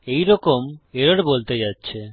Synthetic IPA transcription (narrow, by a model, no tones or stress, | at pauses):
ejɾɔkomeɾaɽbolt̪ed͡ʑatːɕʰe